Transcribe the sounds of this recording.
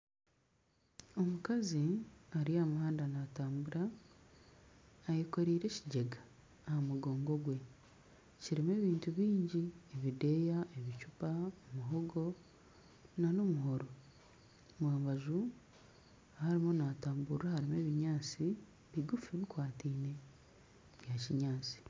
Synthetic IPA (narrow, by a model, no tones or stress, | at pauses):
o̞mukaziaɾiamuhaːndanataːmbuɾa | jeko̞ɾiːɾe̞ciɟeɡaː | hamuɡo̞ːŋɡo̞ɡwe̞ | ciɾime̞ːβiːntuβiːɲɟieβide̞jaʔeβicupaomuɦoɡo̞ | nanomuɦoɾo | mwaːmβaʒu | haɾimonataːmbuɾahaɾime̞ːβiɲaːt͡si | βiɡufiβikwaːtiːne̞ | βjaciɲaːt͡si̥